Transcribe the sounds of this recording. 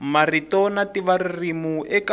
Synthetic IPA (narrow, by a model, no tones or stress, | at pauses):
maritɔnatiβaririmuʔɛka